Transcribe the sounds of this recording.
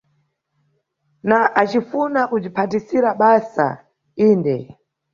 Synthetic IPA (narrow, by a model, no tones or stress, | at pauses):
naʔat͡ʃifunakud͡ʒipʰatisiɾaɓasa̰ | iːndɛ̰